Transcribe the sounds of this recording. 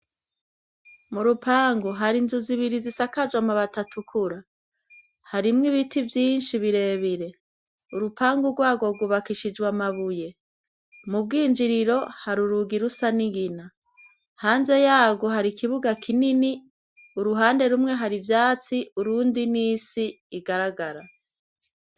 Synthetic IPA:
muɾupʰaːŋɡoɦaɾinzuziβiɾizisakad͡ʒwamuβatatʰukʰuɾa | haɾimŋiβitʰivjiːnʃiβiɾe̞ːβiɾe̞ | uɾupʰaːŋɡuɾɡwaːɡo̞ɡuβakiʃid͡ʒɡwamaβuje̞ | mub̚ɡiːnd͡ʒiɾiɾo̞haɾuɾuɡiɾusaniɡina | haːnze̞jaːɡo̞haɾikʰiβuɡakʰinini | uɾuɦaːnde̞ɾumŋe̞ɦaɾivjaːt͡siuɾuːndiniːsiː | ɡaɾaɡaɾa

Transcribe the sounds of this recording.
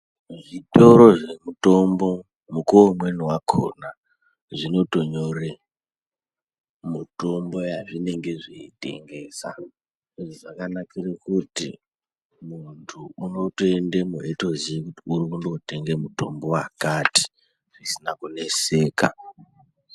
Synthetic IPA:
ʐito̞ɾo̞ʐe̞muto̞mbo̞ | mukoomwe̞niwakʰo̰na | ʐino̞to̞ɲore | muto̞mbo̞jaʐine̞ŋɡe̞ʐeite̞̰ŋɡe̞ːsa̰ | iʐoʐakanakirekutḭ | muntʰuːno̞toendemueto̞ziekutiuɾikundoute̞ŋɡemutombo̞wakati̥ | ʐisinakune̞seːka̰

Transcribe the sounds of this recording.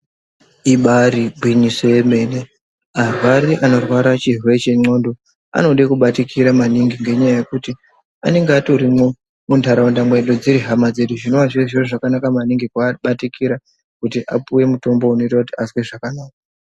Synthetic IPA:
iɓaɾiɡʱwinisoeme̞ːne | arwaɾiʔano̞rwaɾat͡ʃiɦwet͡ʃeŋ͡ǀo̞ndo | a̰no̞ɗekuɓatikʰiɾamaniŋɡiŋɡe̞ɲajaje̞kuti | a̰ne̞ŋɡeato̞ɾimo | mundaɾaundamwe̞ɗod͡ziɾiɦamad͡ze̞ɗuʐino̞waʐieʐiroʐakanakamaniŋɡikuaɓatikiɾa | kutiʔa̰puwe̞muto̞mbo̞uno̞itaautiasweʐakanaːka

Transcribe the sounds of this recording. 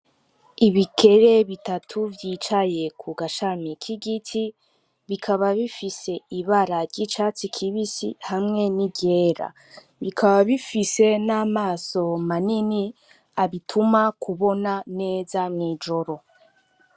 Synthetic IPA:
iβikʰe̞ɾe̞βitatʰuvjiːt͡ʃaje̞kʰuɡaʃamikʰiɡitʰi | βikʰaβaβifise̞iβaɾaɾɟit͡ʃaːt͡sikʰiβisḭhamŋe̞nibɟe̞ːɾa̰ | βikʰaβaβifise̞naːmaːso̞manini | aβitʰumakʰuβo̞nane̞ːzamŋiːd͡ʒo̞ɾo̞

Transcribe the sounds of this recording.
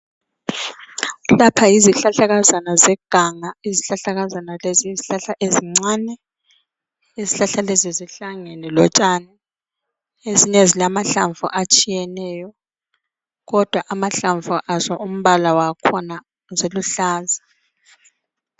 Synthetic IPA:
lapʰaiziɬaɬaɣazanazɛɡ̥ʱaŋaiziɬaɬaɣazanaleziziɬaɬaʔeziŋ͡ǀanɛ | iziɬaɬaleziziɬaŋɛnɛlɔt͡ʃʼanɛ | eziɲezilamaɬaɱvṵʔat͡ʃʼijɛnɛːjɔ | ɣɔd̥ʱwaʔamaɬaɱvuʔazɔʔum̩βalawakʰɔna | zeluɬaːzḁ

